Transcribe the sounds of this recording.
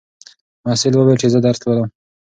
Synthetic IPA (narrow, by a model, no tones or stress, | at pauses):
masɪlwəwelt͡ʃezəd̪aɾt̪lwəlam